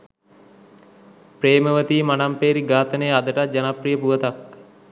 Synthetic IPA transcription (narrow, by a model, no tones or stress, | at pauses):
pɾeːməʋət̪iːmanampeːɾiɡaːt̪ənəjad̪əʈat̪̚d͡ʒanaprijəpuʋət̪ak